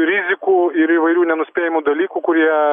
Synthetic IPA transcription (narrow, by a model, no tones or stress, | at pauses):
ɾʲɪzʲɪkuːɪɾiʋɐɪɾʲuːnʲɛnʊsʲpʲeːjɪmud̪ɐlʲiːkuːkʊɾʲiɛ